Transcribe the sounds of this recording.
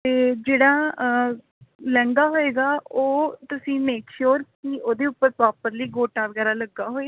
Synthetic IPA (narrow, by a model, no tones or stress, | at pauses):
t̪eːd͡ʒeːɽaː | lɛ̃ŋɡaːɦoːeːɡaːoːt̪ʊsĩːmeːkʃuːɾkkɪʔoːd̪eːʊpːəɾpɾaːpəɾliːɡoːʈaːʋəɡɛːɾaːləɡːaːɦoːe